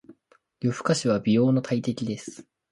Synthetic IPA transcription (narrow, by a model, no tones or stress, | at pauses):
joɸɯ̟̥kaɕiβ̞abʲijo̞ːnot̪ʰait̪e̞kʲid̪e̞sɨ̥